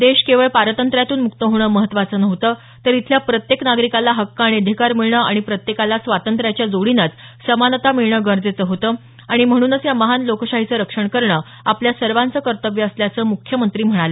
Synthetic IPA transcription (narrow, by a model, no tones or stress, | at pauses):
d̪eɕkeʋəɭpaɾət̪ənt̪ɾjat̪uːnmukt̪əɦoɽ̃əːməɦət̪ːʋat͡səːnəʋt̪ə | t̪əɾit̪ʰljapɾət̪jeknaɡɾikalaɦəkːaɽ̃iəd̪ʱikaɾmiɭɳəaɽ̃ipɾət̪jekalasʋat̪ənt̪ɾjat͡ɕjad͡zoɽinət͡ssəmanət̪amiɭɳəːɡəɾd͡zet͡səɦot̪əː | aɽ̃im̤əɽ̃uːnət͡sjaməɦanlokəɕaɦit͡səːɾəkʂəɳkəɾɳəː | apljasəɾʋant͡səːkəɾt̪əʋjəːsljat͡səːmukʰjəmənt̪ɾiːm̤əɽ̃alə